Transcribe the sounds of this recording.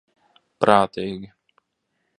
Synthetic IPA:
pɾaːt̪ijɡʲi

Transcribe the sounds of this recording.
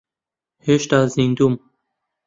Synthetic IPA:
heʃt̪aːzind̪um

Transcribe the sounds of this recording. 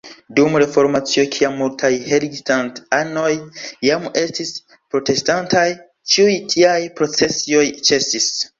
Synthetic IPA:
dumɾe̞fo̞ɾmat͡sio̞kʰiamːultʰajheɾiɡstantano̞jːame̞stis | pɾo̞te̞stantʰaj | t͡ʃiujtʰiajpɾo̞t͡se̞sio̞jt͡ʃe̞sis

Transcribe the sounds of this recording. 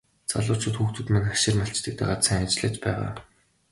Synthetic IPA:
t͡sa̰ɮʊːt͡ɕʰʊːt̪xuːxt̪ŭt̪manḁʃɪ̆rmaɬt͡ɕt̪ɘ̆k̚t̪æːʁat̪sʰaŋat͡ɕɮə̆ːt͡ɕpæːʁa̰ː

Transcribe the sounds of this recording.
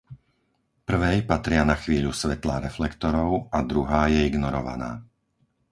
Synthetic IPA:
pr̩ʋɛjpat̪ɾɪanaxʋiːʎusʋɛt̪laɾɛflɛkt̪ɔɾɔʊad̪ɾuɦaːjɛiɡnɔɾɔʋa̰na̰ː

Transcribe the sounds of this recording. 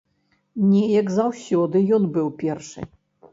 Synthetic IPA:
nʲɛjɐɡzɐwsʲɔd̪ɨjɔnbɨwpʲɛrʂɨ̰

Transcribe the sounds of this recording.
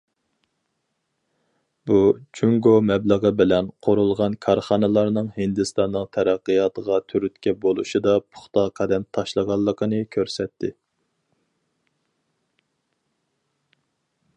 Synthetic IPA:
but͡ʃʰuŋɡomɛbləʁəbɪlɛnqʰoɾulˠʁɑnkʰɑɾχɑnɨlˠɑɾnɨŋhɪnd̪ɨst̪ɑnːɨŋt̪ʰɛɾæqːəjɑt̪əʁɑt̪ʰyɾyt̪kʲɛbolˠuʃid̪ɑpʰʊ̥χt̪ɑqʰɑd̪ɛmt̪ʰɑʃlˠəʁɑlˠːəqʰənɨkʲʰøɾsɛt̪ʰːɪ

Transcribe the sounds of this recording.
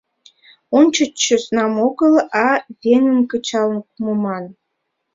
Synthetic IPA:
onʲt͡ɕəəsnɑmoɡəlɑtʲeŋənkət͡ɕɑlənkumomɑn

